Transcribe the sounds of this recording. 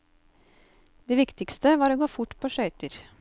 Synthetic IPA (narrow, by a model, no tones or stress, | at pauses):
d̪eːʋɪkt̪ɪkst̪əʋɑːɾoːɡoːfʊʈpʰoːʃœʏt̪əɾ